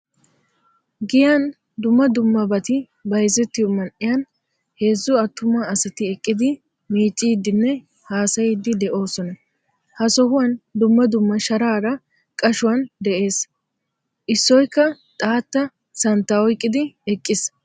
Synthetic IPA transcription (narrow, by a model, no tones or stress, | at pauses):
ɡɪjan | d̪ʊmːɐd̪ʊmːɐbɐt̪ɪ | bɐjzɛt̪ːɪjɔmɐnʔɪjɐn | he̞ːzːʊɐt̪ːʊmaɐsɐt̪ɪɛkʼːɪd̪ɪ | miːt͡ʃʼːiːd̪ːɪnːɛ | haːsɐjɪd̪ːɪd̪ɛʔo̞ːsɔnɐ | hɐsɔhʊwɐnd̪ʊmːɐd̪ʊmːɐʃɐɾaːɾɐ | kʼɐʃʊwɐnd̪ɛʔe̞ːs | ʔɪsːɔjkːɐ | t̪ʼaːt̪ːɐ | sɐnt̪ːaɔjkʼːɪd̪ɪɛkʼːɪs